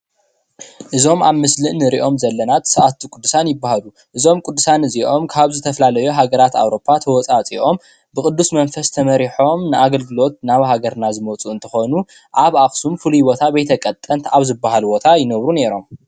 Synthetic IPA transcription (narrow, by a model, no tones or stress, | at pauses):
ʔɨzo̞mʔaβmɨslɨʔnɨɾiʔo̞mzɐlːɐnat̪sɨʔat̪ʰːukʼʊd̪ːusanjɪbːahalu | ʔɨzo̞mkʼud̪ːusanɨziʔo̞mkʰaβzɨt̪ʰɐflalɐjuɦaɡɐɾat̪a̰wɾo̞pʰːat̪ʰɐwɔt͡sʼat͡sʼiʔo̞m | bɨkʼɨd̪ːusmɐnfɐst̪ʰɐmɐɾiħo̞mnɨʔaɡɐlɡɨlo̞t̪̚naβhaɡɐɾnazɨmɐt͡sʼuɨnt̪ʰɐxo̞nu | ʔaβaxsumfɨluijbo̞t̪ʰabɐjt̪ʰɐkʼɐt̪ʼːɐnt̪ʰaβzɨbːahalbo̞t̪ʰajɪnɐβɾune̞ɾo̞m